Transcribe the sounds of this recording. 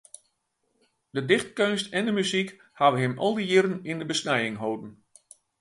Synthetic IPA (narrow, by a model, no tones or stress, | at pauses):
d̥ədɪxt̚kønstɛndəmyzik | haʋəɦɪmɔlˠdəjɪɾənɪndəbəsnɛjɪŋɦowdn̩